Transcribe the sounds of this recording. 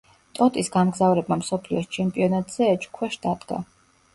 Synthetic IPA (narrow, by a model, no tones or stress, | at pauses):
t̪ʼɔt̪ʼisɡamɡzavɾɛbmamsɔpʰliɔst͡ʃʰɛmpʼiɔnat̪ʼz̥ɛːt͡ʃʼkʰwɛʃd̪ad̪ɡ̥a̰